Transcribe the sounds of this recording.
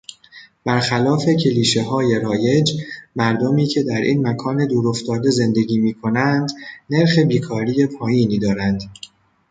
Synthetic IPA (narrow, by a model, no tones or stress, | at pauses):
b̥æɾxælɒːfe̞cʰe̞liːʃe̞ɦɒːje̞ɾɒːje̞d͡ʒmæɾd̪omiːcʰe̞d̪æɾʔiːnmækʰɒːne̞d̪uːɾoft̪ɒːd̪e̞ze̞nd̪e̞ɟiːmiːkʰo̞nænd̪ne̞ɾxe̞biːkʰɒːɾiːje̞pʰɒːjiːniːd̪ɒːɾænd̪̥